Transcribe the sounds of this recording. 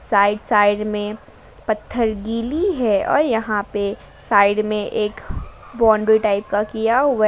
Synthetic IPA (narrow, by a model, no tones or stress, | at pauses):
saːɪɖsaːɪɖmẽ | pɐt̪ʰːəɾɡiːliɦɛɔ̰ːɾjɐɦãpe | saːɪɖmẽʔeːkbɔ̃ːɳɖɾiʈaːɪp̚kakijaɦʊa